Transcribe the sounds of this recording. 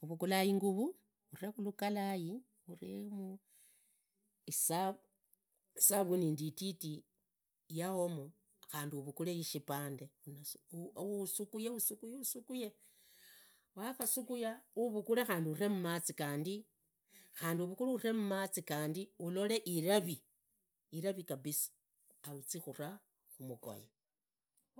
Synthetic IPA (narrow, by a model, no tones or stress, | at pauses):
uβukulajiŋɡuβu | urexulukalaji | uremu | isa | isaβunindititi | jahomo | xaːndiuβukulejiʃipaːndeunasusukujeusukujeusukuje | waxasukujauβukulexaːndiuremumat͡sikaːndi | xaːndiuβukuluure̞mumat͡sikaːndiulole̞ʔiɾaβiː | ɾaβikabisi̥ | aut͡sixura | xumuko̰je